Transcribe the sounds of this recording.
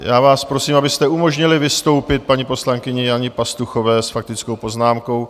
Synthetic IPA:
jaːvaːspɾo̞siːmabɪst̪ɛumo̞ʒɲɪlɪvɪst̪o̞wpɪt̪̚paɲipo̞slaŋkɪɲɛjaɲɪpast̪uxo̞vɛːsfak̚t̪ɪt͡skowpo̞znaːmko̞w

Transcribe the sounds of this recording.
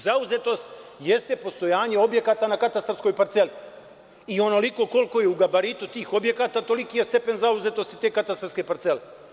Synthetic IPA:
zauze̞t̪o̞st̪jest̪epo̞st̪o̞jaːɲe̞o̞bje̞kaːt̪anakat̪ast̪arsko̞jpaɾt̪se̞li | io̞no̞liko̞ko̞lˠko̞jeuɡabaɾit̪ut̪iːxo̞bje̞kaːt̪aːt̪o̞likijest̪e̞pe̞nzauze̞t̪o̞st̪it̪e̞ːkat̪ast̪aɾske̞paɾt̪sele

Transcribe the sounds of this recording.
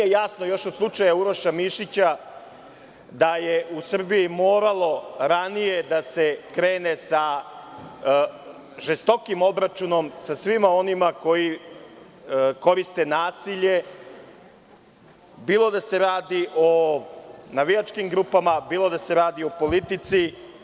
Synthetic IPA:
ejasnojo̞ʃod̪slˠut͡ʂajauɾoʃamiʃit͡ɕa | d̪ajeʔusr̩bijimoːɾalˠo̞ɾanije̞d̪ase̞kɾe̞ːnesa | ʒest̪o̞kimo̞bɾat͡ʃuno̞msasʋimao̞nimako̞ji | ko̞ɾist̪e̞naːsiʎe̞ | biːlˠo̞d̪ase̞ɾaːd̪iʔo̞ | naʋijat͡ʃkimɡɾupamabiːlo̞d̪ase̞ɾaːd̪io̞po̞lit̪it̪si

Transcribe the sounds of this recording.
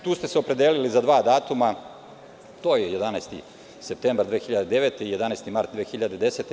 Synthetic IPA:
t̪uːst̪e̞seopɾe̞d̪eːlilizad̪ʋaːd̪aːt̪uma | t̪o̞ːjejed̪anajst̪ḭ | sep̚t̪eːmbaɾd̪ʋeːxiʎad̪ed̪eʋet̪eijed̪anaːst̪imaɾt̪̚d̪ʋeːxiʎad̪ed̪eset̪e

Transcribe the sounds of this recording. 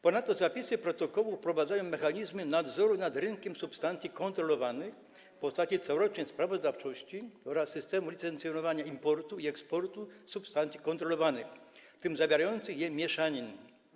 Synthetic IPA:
pɔnat̪ːɔzapʲisɘpɾɔt̪ɔkɔwufpɾɔvad̪zajɔ̃w̃mɛxaɲizmɘnad̪zɔɾunad̪ɾɘŋkʲɛmsupst̪ant̪sʲikɔnt̪ɾɔlɔvanɘx | pɔst̪at͡ɕit̪sɔwɾɔt͡ʂɲɛspɾavɔzd̪aft͡ʂɔɕt͡ɕiɔɾasːɘst̪ɛmulʲit̪sɛnt̪sjɔnɔvaɲaimpɔɾt̪uiɛkspɔɾt̪usupst̪ant̪sʲikɔnt̪ɾɔlɔvanɘxt̪ɘmzavʲjeɾajɔnt̪sɘxjɛmʲjɛʂaɲin

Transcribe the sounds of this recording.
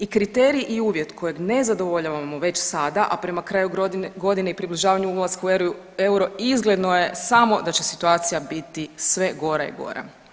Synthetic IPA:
ikɾit̪eɾiiʔiuːʋje̞t̪kʰo̞je̞ɡne̞zad̪o̞ʋoʎaʋamo̞ʋe̞t͡ʃsad̪aʔapɾe̞makɾaːjuɡo̞d̪ineipɾibliʒaːʋaɲuulˠaskaueɾ | e̞uɾo̞izɡle̞d̪noje̞samo̞d̪at͡ɕe̞sit̪uaːt̪sijabit̪isʋe̞ɡo̞ɾa̰ḭɡo̞̰ɾa̰

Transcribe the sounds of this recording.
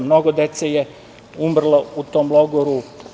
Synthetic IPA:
mnoɡod̪et̪seje | umr̩lˠaut̪oːmlˠoɡoɾu

